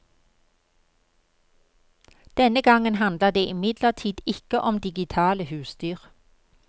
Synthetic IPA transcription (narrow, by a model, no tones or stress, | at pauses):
d̪̥ɛnəɡɑŋənhɑnd̪ləd̪eːʔɪmɪd̪ləʁt̪ʰiːd̪ɪkəʔɔmd̪ɪɡɪt̪ʰɑːləhʉːsd̪yːʁ